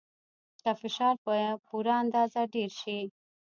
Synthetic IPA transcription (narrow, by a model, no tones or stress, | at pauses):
kafɪʃɑːɾpəjẽpuɾaːnd̪ɑːzaɖeɾʃi